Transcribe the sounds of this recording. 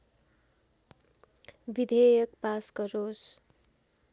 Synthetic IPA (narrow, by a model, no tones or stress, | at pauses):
bid̪ʱejʌk̚paskʌɾos